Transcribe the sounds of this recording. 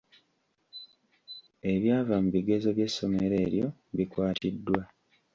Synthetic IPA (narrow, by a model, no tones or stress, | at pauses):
e̞βjaːvamuβiɡe̞zo̞βje̞sːo̞me̞ɾe̞ːɾjo̞βikwaːtidːwa